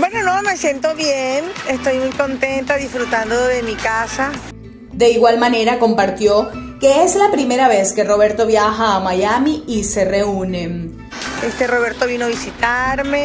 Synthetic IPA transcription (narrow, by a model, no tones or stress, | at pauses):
bwe̞no̞nome̞sje̞nt̪o̞βjenest̪o̞jmujko̞nt̪e̞nt̪aðisfɾut̪and̪oðe̞mikasa | d̪e̞iɣwalmane̞ɾako̞mpaɾt̪jo̞ke̞ezlapɾime̞ɾaβe̞ske̞ro̞βe̞ɾt̪o̞βjaxaːmajamiise̞re̞une̞ | est̪e̞ro̞βe̞ɾt̪o̞βinoaβisit̪aɾme